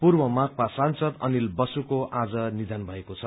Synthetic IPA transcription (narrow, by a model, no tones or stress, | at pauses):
purbʌmak̚pasansʌd̪ʌnilbʌsukoʔad͡zʌnid̪ʱanbʱʌekot͡sʰʌ